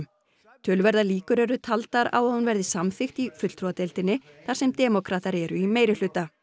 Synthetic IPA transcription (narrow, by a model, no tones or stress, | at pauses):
m | t̪ʰʏlvɛɾðaliːkʏɾɛɾʏt̪ʰalt̪aɾa̰wanvɛɾðɪsamθɪxt̪ifʏt̪l̥ɾuat̪ɛlt̪ɪnːɪ | θḁsɛmt̪ɛːmɔkʰɾaːt̪aɾɛɾʏimeːjɾɪl̥ʏt̪ːa